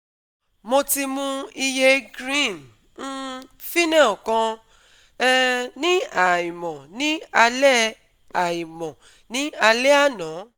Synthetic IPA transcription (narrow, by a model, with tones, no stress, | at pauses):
mo˧ti˧mũ˧i˧je˧ɡɾĩ˦˨n̩˦ | fi˦nã˦˨ɔ˨kã˧ | ɛ˦nĩ˦a˨i˨mɔ̃˨nĩ˨˦a˧lɛ˦ | a˨i˨mɔ̃˨ | nĩ˦a˧le˦a˦˨nãː˨˦